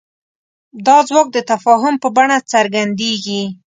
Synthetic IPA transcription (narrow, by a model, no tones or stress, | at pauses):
d̪ɑzwɑk̚d̪ət̪afɑɦʊmpəbaɳat͡saɾɡand̪eɡi